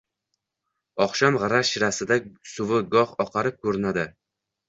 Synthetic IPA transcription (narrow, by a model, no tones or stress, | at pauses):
ɒχʃamʁɨɾaʃɪɾasɪd̪asʊvɪɡɒχɒqʰɑɾɪp̚kʰɵɾɪnad̪ɪ